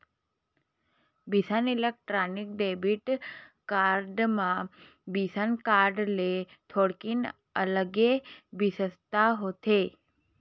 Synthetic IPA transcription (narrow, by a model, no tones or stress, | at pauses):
bisənilək̚ʈɾanik̚ɖebiʈkaɾɖmã | bisənkaɾɖle | t̪ʰoɽkin | ələɡebisəst̪aɦot̪ʰe